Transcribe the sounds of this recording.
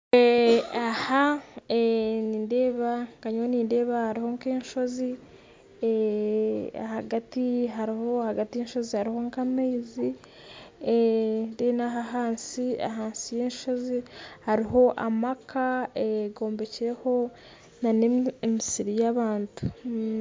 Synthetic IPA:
eahaeniːnde̞ːβaŋkaɲoniːnde̞ːβahaɾiho̞ŋkeːnʃo̞zi | e | a̰haɡatiɦaɾihohaɡatijenʃo̞zihaɾiho̞ŋkameːzi | ndenaɦaɦaːnsia̰ɦaːnsijeːnʃo̞zihaɾiɦo̞ʔa̰makʰaeɡo̞ːmbe̞ciɾe̞ho̞ | naneemisiɾijaβaːntu̥

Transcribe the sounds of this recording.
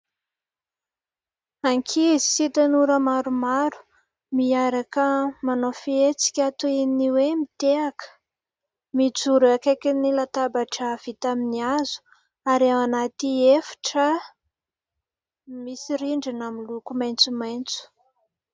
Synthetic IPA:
aŋkʰizisit̪anuɾəmaɾumaɾu̥ | miaɾakəmanofiet͡si̥kʲat̪ueniwemit̪eakə̥ | mid͡zuɾakakʲinilat̪abaʈ͡ʂəv̥it̪aminiazu̥ | aɾawanat̪iefḁʈ͡ʂə | misiɾiɳɖ͡ʐinamilukumajnt͡sumajnt͡su̥

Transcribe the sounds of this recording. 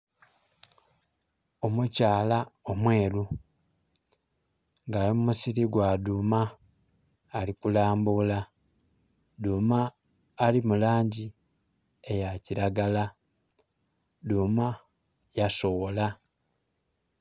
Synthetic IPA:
o̞mucaːlao̞mwe̞ːlu | ŋɡaːlimumusiɾiɡwaːdumaː | likulaːmbula | duːmaː | limulaːɲɟi | ejaciɾaɡala | duːma | jaso̞wola

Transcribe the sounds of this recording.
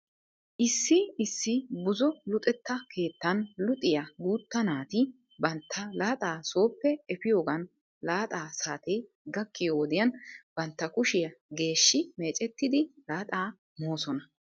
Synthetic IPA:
ʔɪsːɪɪsːɪbʊzɔlʊt̪ʼɛt̪ːɐkʰe̞ːt̪ːɐnlʊt̪ʼɪjɐɡuːt̪ːɐnaːt̪ɪ | bɐnt̪ʰːɐlaːt̪ʼaːso̞ːpːɛɛfɪjo̞ːɡɐn | laːt̪ʼaːsaːt̪ɛj | ɡɐkːɪjowɔd̪ɪjɐnb̥ɐnt̪ːɐkʊʃɪjɐɡe̞ːʃːɪme̞ːt͡ʃʼɛt̪ːɪd̪ɪlaːt̪ʼaː | mo̞ːsɔnɐ

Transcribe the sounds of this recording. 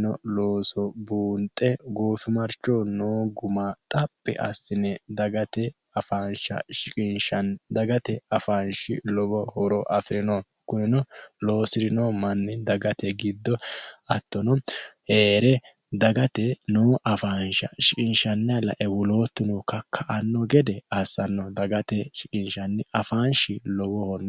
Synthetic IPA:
nɔloːsɔbuːnt̪ʼːɛɡoːfɪmɐɾt͡ʃːoːnoːɡʊmaːt̪ʼɐpːɛ̰ʔɐsːɪnɛd̪ɐɡɐt̪ɛ | ɐfaːnʃɐ̰ʃɪkʼɪnʃɐnd̪ɐɡɐt̪ɛɐfanʃɪlɔɡɔhɔɾɔʔɐfɪɾɪnon | kʊnɪnɔlo̞ːsɪɾɪnoːmɐnːɪd̪ɐɡɐt̪ɛɡɪd̪ːɔɐt̪ːɔnɔheːɾɛ | d̪ɐɡɐt̪ɛnoːʔɐfanʃɐ̰ʃɪkʼɪnʃɐnːɐlɐ̰ʔɛwʊlo̞ːt̪ːɪnɔkɐkʰːɐʔɐnːɔɡɛd̪ɛɐsɐnːɔd̪ɐɡɐt̪ɛʃɪkʼɪnʃɐnːɪʔɐfaːnʃɪlɔɡɔhɔn

